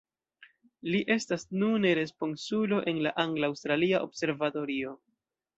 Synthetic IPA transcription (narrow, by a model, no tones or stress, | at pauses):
liʔe̞stasnune̞ɾe̞spo̞nsulo̞ʔe̞nlaʔaŋɡlawstɾaliaʔo̞̰bse̞ɾvato̞ɾio̞